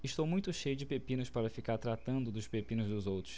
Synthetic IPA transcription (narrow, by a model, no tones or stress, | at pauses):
ɪʃt̪owmũj̃t̪ʊʃejʊd͡ʒɪpepĩnʊspaɾɐfikaɾt̪ɾat̪ɐ̃nd̪ʊd̪ʊʃpepĩnʊzd̪ʊzowt̪ɾʊs